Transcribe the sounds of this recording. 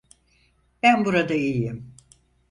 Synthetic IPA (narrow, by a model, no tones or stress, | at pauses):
b̥ænbuɾad̪aijjim